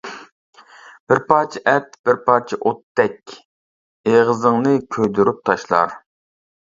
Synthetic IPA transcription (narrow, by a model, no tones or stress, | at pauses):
b̥ɪɾpʰɑːt͡ʃʰiʔɛt̪b̥ɪɾpʰɑːt͡ʃʰiʔot̪ːɛkʲ | eʁəzɨŋnɨkʲʰøjd̪uɾyp̚t̪ʰɑʃlˠɑ̰ɾ